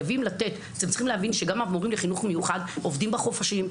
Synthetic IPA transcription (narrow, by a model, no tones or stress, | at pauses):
vimlat̪e̞t̪at̪emtt͡ssiχimleavinʃeɡamamoʁimleχinuχmejuχad̪o̞vdimbaχo̞faʃim